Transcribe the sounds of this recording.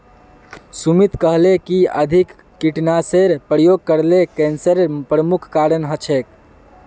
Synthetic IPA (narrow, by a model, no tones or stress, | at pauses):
sumit̪kəɦlekiəd̪ʱikː | iʈnaseɾpɾəjoɡ̚kəɾlekɛnsəɾpɾəmukʰkaɾənɦət͡ʃʰek